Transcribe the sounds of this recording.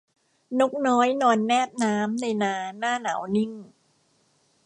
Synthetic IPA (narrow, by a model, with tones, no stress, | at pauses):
no˦˥˩k̚nɔː˦˥jnɔː˧nːɛː˥˩p̚naː˦˥mna˧jnaː˧naː˥˩na̰ː˩˦wni˥˩ŋ